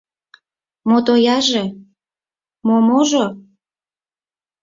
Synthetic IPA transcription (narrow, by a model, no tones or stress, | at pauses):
mot̪ojɑʒe | momoʒo